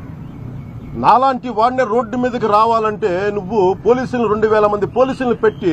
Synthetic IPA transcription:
naːlaːɳʈiʋaːneːɾo̞ːɖːumiːd̪ɐk̬iɾaːʋaːlɐɳʈe̞ːnuʋːupo̞ːliːsulniɾe̞ɳɖuʋɛːlɐmɐnd̪ipo̞ːliːsulipe̞ʈːi

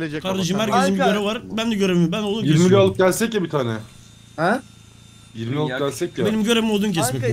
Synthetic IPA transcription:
kʰaɾd̪eʃ̬ɯmhæɾkʰezimbiɟøɾɛvaɾbænd̪ɛɟøɾemibænolˠd̪umjieɾmilʲalˠɯp̚ɟælʲsɛcjabit̪ʰaːnɛ | ɛ | jiɾmilʲalˠpɟælʲsɛcjabenimɟø̞ɾemimolˠd̪umc̬ʰɛsmɛc

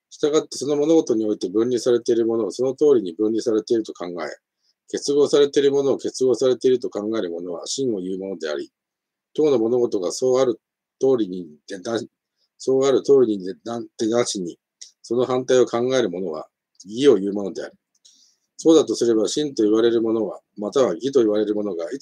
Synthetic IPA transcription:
ɕi̥t̪aɡat̪ːe̞so̞no̞mo̞no̞ɡo̞t̪o̞ɲ̟io̞it̪e̞bɯ̟̃nʲɾʲisaɾe̞t̪e̞iɾɯ̟mo̞no̞so̞no̞t̪o̞ːɾʲiɲ̟ibɯ̟̃nʲɾʲisaɾe̞t̪eiɾɯ̟t̪o̞kãŋɡae̞̰ | ke̞t͡sɨɡo̞ːsaɾe̞t̪e̞iɾɯ̟mo̞no̞ːke̞t͡sɨɡo̞ːsaɾe̞t̪eiɾɯ̟t̪o̞kãŋɡae̞ɾɯ̟mo̞no̞βa̰ɕĩɰ̃o̞jɯ̟ːmo̞no̞d̪e̞a̰ɾʲḭ | t̪oːnomo̞no̞ɡo̞t̪o̞ɡaso̞ːaɾɯ̟ | t̪o̞ːɾʲiɲ̟id̪ed̪a | so̞ːaɾɯ̟t̪o̞ːɾʲiɲ̟iat̪enaɕiɲ̟i | so̞no̞hãnt̪aio̞kãŋɡae̞ɾɯ̟mo̞no̞ɡa̰ | ɡʲio̞jɯ̟ːmo̞no̞d̪e̞a̰ɾʲi | so̞ːd̪at̪o̞sɨɾe̞baɕĩnt̪o̞iβ̞aɾe̞ɾɯ̟mo̞no̞βa | mat̪aβaɡʲit̪o̞iβaɾe̞ɾɯ̟mo̞no̞ɡai

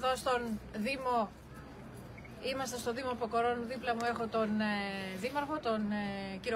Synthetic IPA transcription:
ðost̪o̞nðimo̞ | imɐst̪ɐst̪o̞ðimopoko̞ɾo̞nðiplɐmue̞xo̞t̪o̞neðimɐɾɣo̞t̪o̞nciɾo

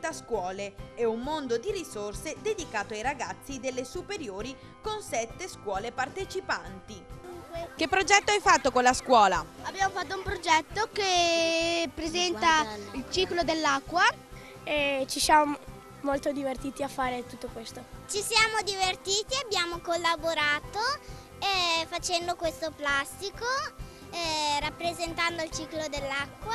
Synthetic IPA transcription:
t̪ːaskwɔːleɛumːond̪od̪iɾisorsed̪ed̪ikaːt̪oajɾaɡat̪sːid̪elːesupeɾjoːɾi | konsɛt̪ːeskwɔːlepart̪et͡ʃipant̪id̪uŋkwek̟epːɾod͡ʒɛt̪ːoajfat̪ːokonlaskwɔːlaabːjaːmofat̪ːoumpɾod͡ʒɛt̪ːoke | pːɾezɛnt̪ailt͡ʃiːklod̪elːakːwa | et͡ʃisjamo | molt̪od̪ivert̪iːt̪iafːaːɾet̪ut̪ːokwest̪ot͡ʃisjaːmod̪ivert̪iːt̪iabːjaːmokolːaboɾaːt̪o | ɛfat͡ʃɛnd̪okwest̪oplast̪iko | rapːɾezent̪and̪oilt͡ʃiːklod̪elːakːwa

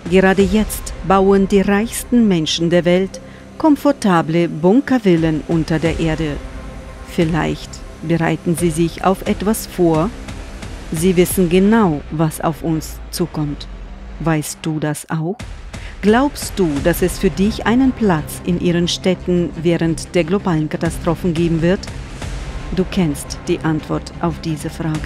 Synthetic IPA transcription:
ɡ̥əʁaːdəjɛt͡stb̥aʊəndiːʁaɪçstn̩mɛnʃn̩deːɐvɛlt | kʰɔmfɔɐtʰaːbləbʊŋkɐvɪlənʔʊntɐdeːɐʔeːɐdə | fɪla̰ɪçt | b̥əʁa̰ɪtn̩ziːzɪça̰ʊfʔɛtv̥asfoːɐ | ziːvɪsn̩ɡənaʊvasa̰ʊfʔʊns | t͡suːkʰɔmt | v̥aɪst̚d̥uːdasʔaʊx | ɡ̥laʊpst̚d̥uːd̥asɛsfyːɐdɪçʔaɪnənpl̥at͡sʔɪnʔiːʁ̞ənʃtɛtn̩vɛːʁəntd̥eːɐɡlobaːlənkatastʁ̥oːfn̩ɡeːbm̩vɪɐt | d̥uːkʰɛnstd̥iːʔantv̥ɔɐtʔaʊfd̥iːzəfʁ̥aːɡə

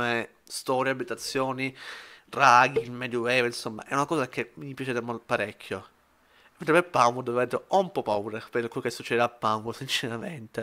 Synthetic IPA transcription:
me | st̪ɔːɾjeabːit̪at̪sːjoːniraɡilmɛd̪juwɛvinsomːa̰ʔɛ̰unakɔːzakemipjat͡ʃɛːd̪emopaɾekʲʰːjo | mːnt̪ɾebepːaŋɡod̪oevd̪ɾɔumpɔpːauːɾepekwelːokesːut͡ʃːɛd̪eapːaŋɡosint͡ʃeɾament̪e

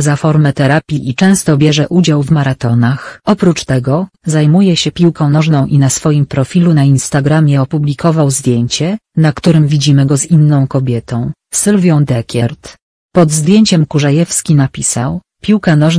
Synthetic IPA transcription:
zafɔɾmɛt̪ɛɾapʲiʔit͡ʂɛ̃w̃st̪ɔbʲjɛʐɛʔud͡ʑawvmaɾat̪ɔnaxɔpɾut͡ʂt̪ɛɡɔzajmujɛɕɛpʲiwkɔ̃w̃nɔʐnɔ̃w̃ʔinasfɔjimpɾɔfʲilunainst̪aɡɾamʲjɛɔpublʲikɔvawzd̪ʲjeɲt͡ɕɛnakt̪uɾɘmvʲid͡ʑimɘɡɔzinːɔ̃w̃kɔbʲjɛt̪ɔ̃w̃ | sɘlvʲjɔ̃w̃d̪ɛkʲɛɾt̪ | pɔd̪zd̪ʲjeɲt͡ɕɛmkuʐajɛfskʲinapʲisaw | pʲiwkanɔʐ

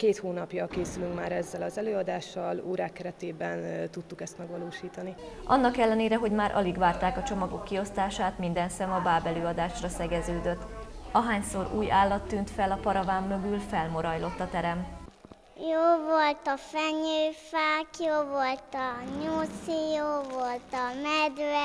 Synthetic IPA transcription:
keːt̪hoːnɒpjɒlkeːsylyŋkmaːɾɛzːɛlɒzɛløːɒd̪aːʃːɒluːɾaːkːɛɾɛt̪eːbɛnt̪ut̪ːukɛst̪mɛɡvɒloːʃiːt̪ɒniɒ̰nːɒkɛlːɛneːɾɛɦo̞ɟmaːɾʔɒ̰liɡvaːrt̪aːkɒt͡ʃo̞mɒɡo̞kːio̞st̪aːʃaːt̪mind̪ɛnsɛmɒbaːbɛløːɒd̪aːʃrɒsɛɡɛzøːd̪øt̪ː | ɒɦaːɲsoɾṵːjaːlːɒt̪ːyːnt̪fɛlɒpɒɾɒvaːmːø̞ɡylfɛlmo̞ɾɒjlo̞t̪ːɒt̪ɛɾɛm | joːvolt̪ɒfɛɲøːfaːkjoːvo̞lt̪ɒɲosijoːvolt̪ɒmɛd̪

